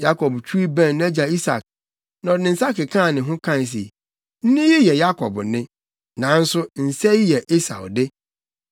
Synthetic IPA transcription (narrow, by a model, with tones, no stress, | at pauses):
ja˦kʰɔ˨bt͡ɕʰᶣu˦i˦bæ̃˦˨nnɛ̃˦d͡ʑa˨i˦sa̰˨k̚ | nã˨nɪ̃˨n̩˨sa˦kɪ˨kʰã˦˨nɪ̃˨ɦʊ̃˦kʰã˦˨n˨s̬i˨ | n̩˦nɪ̃˦ji˦jɛ˨ja˦kʰɔ˨bnɪ̃˦ | nã˨˦n̩˦sʊ˦n̩˨sɛ˦i˦jɛ˨ʔe˦sa̰˨wdɪ˦